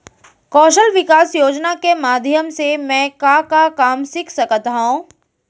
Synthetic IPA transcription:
kɔːʃəlʋɪkaːsjoːd͡ʒnakemaːd̪ʱjəmsemɛ̃ːkakakaːmsɪkʰsɐkət̪ɦũː

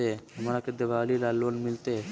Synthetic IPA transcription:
eɦəmɾaked̪eʋaːlilalʋənmɪlt̪e

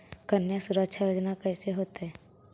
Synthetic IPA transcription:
kəɾnjəsʊɾəkʃʰajoːd͡ʒnakɛːseɦoːt̪eɦɛ̃ː

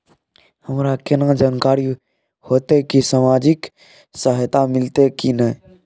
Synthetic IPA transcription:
həmɾaːkɪnãd͡ʒaːnkaːɾi | hoːt̪ekisaːmaːd͡ʒɪk | saɦɪt̪amɪlt̪ekinə

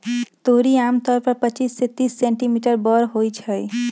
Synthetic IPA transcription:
t̪oɾiamt̪ɔɾpəɾpət͡ʃisːet̪isːẽɳʈimiʈəɾbɔɾɦojt͡ʃʰəj

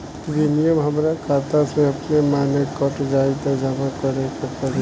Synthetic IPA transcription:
d͡ʒinijəmɦəmɾakʰaːt̪asẽɐpnemaːnekəʈd͡ʒaːit̪əd͡ʒəmakəɾekepəɾe

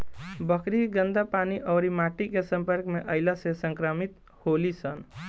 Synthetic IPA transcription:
bəkɾiɡənd̪apaniʔəʊɾimaʈikesə̃mpəɾkmeʔəɪlasesə̃ŋkɾəmit̪ | holisən

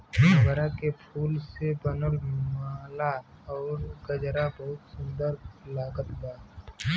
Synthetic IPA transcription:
bəɾakepʰuːlsebənəlmaːla | ɔːɾɡəd͡ʒɾabəɦʊt̪sʊ̃nd̪əɾlaːɡət̪baː

